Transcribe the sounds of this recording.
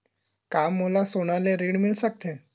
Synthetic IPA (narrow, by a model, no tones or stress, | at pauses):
kamːolasoɽ̃alẽɾiɽmilsak̚t̪ʰe